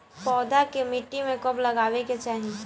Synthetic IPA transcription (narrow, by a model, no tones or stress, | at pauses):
pɔːd̪akemɪʈːimẽkɐblɐɡaːweket͡ʃaːɦi